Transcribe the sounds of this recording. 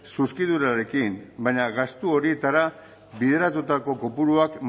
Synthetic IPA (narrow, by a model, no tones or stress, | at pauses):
suskiðuɾaɾe̞kinbaɲaɣast̪uo̞ɾie̞t̪aɾa | βiðe̞ɾat̪ut̪ako̞ko̞puɾuakm